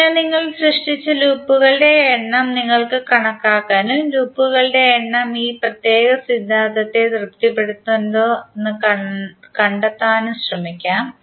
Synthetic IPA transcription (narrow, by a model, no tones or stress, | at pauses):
aniŋːɐɭsrɨʂʈit͡ɕːɨluːpːuɣɐɭɨɖe̞ːɳːɐmniŋːɐɭkɨkɐɳɐkːaːkːaːnumluːpːuɣɐɭɨɽe̞ːɳːɐmiːprɐt̪je̞ːɣɐsid̪ʱːaːðɐt̪ːe̞d̪rɨpt̪ipːe̞ɽut̪ːuend̪oːenːɨɐkɐɳɖɐt̪ːaːnumɕrɐmikʲːaːm